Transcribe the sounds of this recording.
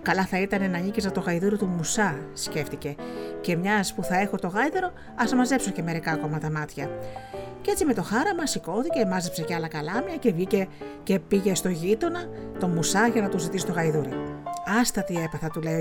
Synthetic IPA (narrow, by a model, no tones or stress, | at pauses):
kɐlɐθɐit̪ɐnenɐɲicezɐt̪o̞ɣɐiðuɾit̪umusɐsce̞ft̪ice̞ce̞mɲɐspuθɐe̞xo̞t̪o̞ɣɐiðeɾo̞ | ɐsɐmɐzepsoce̞me̞ɾikɐko̞mɐt̪ɐmɐt̪çɐ | ceet͡sime̞t̪o̞xɐɾɐmɐsiko̞θice̞mɐze̞pse̞ceɐlɐkɐlɐmɲɐce̞vʝice̞ce̞piʝe̞st̪o̞ʝit̪o̞nɐt̪o̞musɐʝɐnɐt̪uzit̪isit̪o̞ɣɐiðuɾiɐst̪ɐt̪ie̞pɐθɐt̪ule